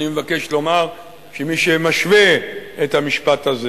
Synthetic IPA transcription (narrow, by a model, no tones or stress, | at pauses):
nimevake̞ʃlo̞maʁ | ʃemiʃemaʃveet̪hamiʃpat̪aze